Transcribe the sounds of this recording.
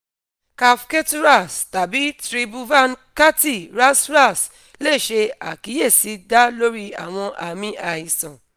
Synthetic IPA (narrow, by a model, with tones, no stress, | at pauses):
ka˧fke˦tu˦ɾa˦˨sta˨bi˨˦tɾi˧bu˧va˦nka˦ti˦˨ɾa˦sɾa˦˨s | le˦˨ʃe˧a̰˨ki˨˦je˦˨si˨˧˦da˦lo˦ɾi˦a̰˨w̃ɔ̃˧ʔa˨mĩ˦a˨i˨sɔ̃˨